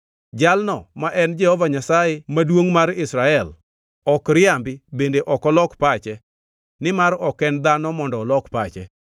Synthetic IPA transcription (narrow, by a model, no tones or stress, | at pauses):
d͡ʒalnɔmaʔɛnd͡ʒɛhɔvaɲasajemadwoŋmaɾɪsɾaɛl | ɔkɾɪambɪbendeʔɔkɔlɔkpat͡ʃɛ | nɪmaɾɔkɛnd̪anɔmɔndɔlɔkpat͡ʃɛ